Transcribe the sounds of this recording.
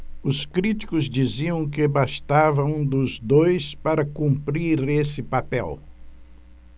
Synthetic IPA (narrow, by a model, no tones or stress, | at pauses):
ʊskɾit͡ʃi̥kʊzd͡ʒiziɐ̃w̃kɪbast̪avɐũd̪ʊzd̪ojspaɾɐkũmpɾiɾesɪpapɛ̰w